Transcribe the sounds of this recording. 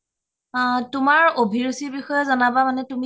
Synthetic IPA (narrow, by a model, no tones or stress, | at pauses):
tumaɹobʱiɹusibixɔjɔzɔnabamanɛtumi